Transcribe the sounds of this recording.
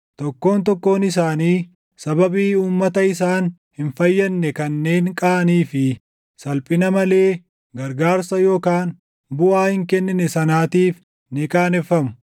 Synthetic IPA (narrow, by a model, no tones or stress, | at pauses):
t̪ɔkːo̞ːnt̪ɔkːo̞ːnɪs̬aːniː | sɐbɐbiːuːmːɐt̪ɐɪs̬aːn | hɪnfɐjːɐnːɛkɐnːe̞ːŋkʼaːɐniːfɪ | sɐlpʼɪnɐmɐle̞ː | ɡɐɾɡaːɾsɐjo̞ːkaːn | bʊʔaːhɪŋkɛnːɪnɛsɐnaːt̪iːf | nɪkʼaːnɛfːɐmʊ̥